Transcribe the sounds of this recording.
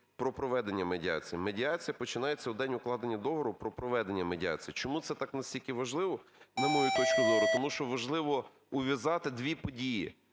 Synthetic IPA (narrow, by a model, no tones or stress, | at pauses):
pɾɔpɾɔʋɛd̪e̞nʲːɐmedʲiɑ̰t͡sʲijimedʲiɑt͡sʲijɐpɔt͡ʃɪnɑjet͡sʲːɐud̪ɛnʲʊklˠɑd̪enʲːɐd̪ɔɦɔɾʊpɾɔpɾɔʋɛd̪enʲːɐmedʲiɑ̰t͡sʲijit͡ʃɔmut̪sɛt̪ɑknɐsʲtʲilʲkɪʋɐʒlˠɪʋɔnɐmɔjut̪ɔt͡ʃkʊzɔɾʊt̪ɔmuʃt͡ʃɔʋɐʒlˠɪʋɔ | ʊʋʲjɐzɑt̪ɪd̪ʲʋʲipɔdʲiji